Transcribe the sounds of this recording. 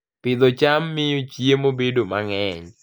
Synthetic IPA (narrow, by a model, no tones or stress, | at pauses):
pɪd̪ɔt͡ʃamːɪjot͡ʃjemobedomaŋɛɲ